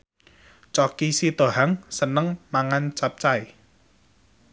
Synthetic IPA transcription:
t͡ʃɔkisit̪oɦaŋsənəŋmaŋant͡ʃap̚t͡ʃaj

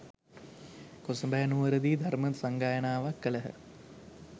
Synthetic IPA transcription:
kosəmbəɦənuʋəɾəd̪iːd̪ʱaɾmət̪saŋɡaːjənaːʋakːələɦə̰

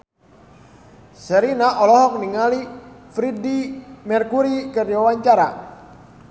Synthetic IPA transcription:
səɾinaʔɔlɔɦɔk̚niŋalifɾidimɛrkuɾikərd͡ʒawaɲt͡ʃaɾa

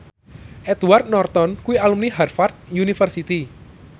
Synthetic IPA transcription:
ʔɛt̪uart̪̚nɔrt̪ɔnkuwialumniɦarfart̪̚junifərsit̪i

